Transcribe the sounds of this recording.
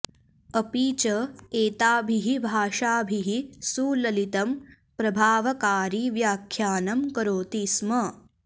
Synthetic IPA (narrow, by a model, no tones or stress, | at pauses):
ɐpiːt͡ʃɐeːt̪aːbʱiɦibʱaːʃaːbʱiɦisuːlɐlit̪ɐm | pɾɐbʱaːʋɐkaːɾiːʋjaːkʰjaːnɐmkɐɾoːt̪ismɐ